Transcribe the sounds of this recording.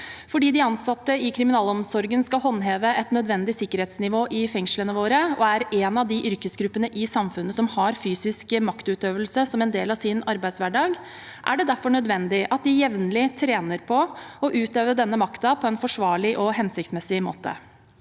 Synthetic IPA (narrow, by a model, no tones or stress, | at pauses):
fɔɖiːd̪ɪɑnsɑt̪ːəɪkʰɾɪmɪnɑːlɔmsɔɾɡənskɑlɦɔnːɦeːʋəʔɛt̪nœd̪ʋɛnd̪ɪsɪkːəɾheːt̪snɪʋoːʔɪfɛŋʂlənəʋoːɾəɔæɾɛːnɑʋd̪ɪʔʏɾkəsɡɾʉpːənəʔɪsɑmfʉnːəsɔmhɑɾfyːsɪskəmɑkt̪ʉːt̪øːʋəlsəsɔmɛnd̪eːlɑʋsɪnɑɾbæɪd̪sʋæɖɑːɡ | ʔæ̰ɖɛd̪æɾfɔɳœd̪ʋɛnd̪ɪʔɑt̪̚d̪ɪjɛʋnəlɪt̪ʰɾeːnəɾpʰɔɔʔʉːt̪øːʋəɖ̪ɛnːəmɑkt̪ɑpʰɔɛnfɔʂʋɑːɭɪʔɔɦɛnsɪk̚t̪smɛsɪmo̰ːt̪ə̰